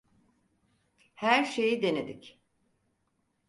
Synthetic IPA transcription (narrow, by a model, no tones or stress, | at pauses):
hæɾʃe̞jid̪e̞ned̪ic